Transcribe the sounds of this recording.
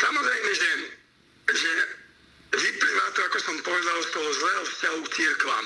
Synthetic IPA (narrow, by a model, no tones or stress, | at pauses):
samɔzajmɛʒd̪ɛn | ʒɛ | vipɾimat̪ɔakɔsɔmpɔʋɛd̪alˠst̪ɔɦɔzlɛːɦɔfscaɦusiɾkla̰